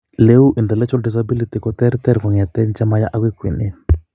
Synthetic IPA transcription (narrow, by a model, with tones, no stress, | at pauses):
le˦u˦ʔi˨nd̪ɛ˨lɛ˦t͡ʃɔ˦ldis̬abi˦li˨ti˨kɔ˨t̪ɛ˦ɾit̪ɛ˦ɾkɔ˨ŋa˨t̪ɛ˦nt͡ʃa˦ma˦ja̰˦ʔa˦kwi˦kwḭ˨ni˦n